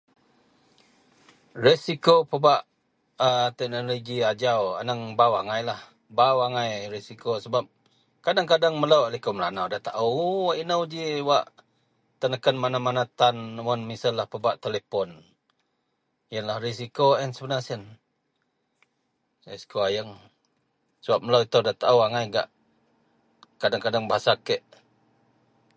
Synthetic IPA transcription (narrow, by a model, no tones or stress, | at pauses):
resikopəbaʔ | ət̪ɛk̚noloɡiad͡ʒawa̰nəŋbawaŋajlah | bawaŋajresikosəbap̚ | kadaŋkadaŋmələʔlikoməlanawdat̪a̰ʔəwaʔinəwd͡ʒiwaʔ | t̪ənəkənmanamanat̪anwənmisalːahpəbaʔt̪elepɔn | jənlahris̬ikoɛnsəbənasən | saskuajəŋ | səbap̚mələwit̪əwdat̪aʔəwaŋajɡa̰ʔ | kadaŋkadaŋbaasakəʔ